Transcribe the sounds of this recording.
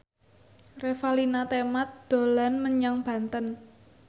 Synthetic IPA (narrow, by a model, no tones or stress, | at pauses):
refalinat̪emat̪̚d̪̥o̤lanməɲaŋb̥a̤nt̪ən